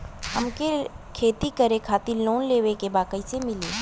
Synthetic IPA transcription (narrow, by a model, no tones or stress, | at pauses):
ɦɐmkekʰeːt̪ikɐɾekʰaːt̪iloːnleːʋekebaːkəisemɪleː